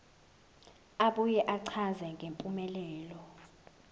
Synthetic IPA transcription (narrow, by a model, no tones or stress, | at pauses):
aɓujɛʔaǀʰazɛŋʱempʼumɛlɛːlɔ